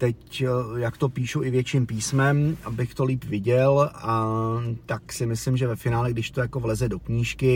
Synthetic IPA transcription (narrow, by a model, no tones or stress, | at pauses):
t̪ɛcjakt̪o̞piːʃuʔɪvjɛt͡ʃimpiːsmɛmʔabɪxt̪o̞liːpvɪɟɛlat̪aksɪmɪslɪmʒɛvɛfɪnaːlɛɡdɪʃt̪o̞jako̞vlɛzɛdo̞kɲiːʃkɪ